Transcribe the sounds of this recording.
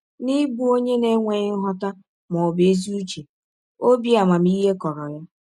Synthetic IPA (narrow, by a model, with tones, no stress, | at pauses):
ni˦bu˦o˦ɲe˦ne˦ŋʷe˨ɲ˦ɦɔ˦ta˦ | mɔ˨be˨˦zi˦u˦t͡ʃe˨ | o˦bi˦a˨ma˨m̩˦i˦ɦe˦kɔ˨ɾɔ˨ja˦